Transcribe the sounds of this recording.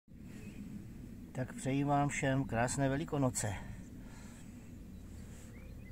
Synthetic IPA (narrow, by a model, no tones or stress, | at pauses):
t̪akpr̥ɛjiːmaːmfʃɛmkɾaːsnɛːvɛlɪko̞not͡sɛ